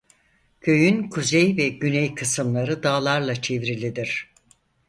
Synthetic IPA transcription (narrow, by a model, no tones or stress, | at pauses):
cʰø̞jynkʰuzejvɛɟynɛjkʰɯsɯmlˠaɾɯd̪aːlˠaɾlˠat͡ʃʰevɾilʲid̪iɾ̥